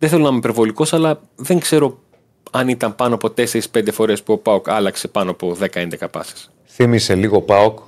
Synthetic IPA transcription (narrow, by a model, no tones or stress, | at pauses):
ðeθe̞lonɐmepe̞ɾvo̞liko̞sɐlɐ | ðe̞ŋɡse̞ɾo̞ | ɐnit̪ɐmpɐnoɐpo̞t̪e̞se̞ɾispend̪e̞fo̞ɾe̞spuo̞pɐokɐlɐkse̞pɐnoɐpo̞ðe̞kɐe̞nd̪ekɐpɐ̰se̥s | θimise̞liɣo̞pɐok